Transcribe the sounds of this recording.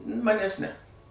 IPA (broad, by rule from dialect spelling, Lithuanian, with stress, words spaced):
ˈmɑːnʲɛs nʲɛ